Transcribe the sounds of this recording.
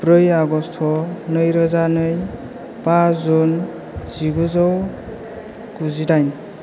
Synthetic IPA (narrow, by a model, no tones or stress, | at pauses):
pɾɯjaɡɔstʰɔnɯjɾɯzanɯj | pazun | z̥iɡuzɔw | kuzidajn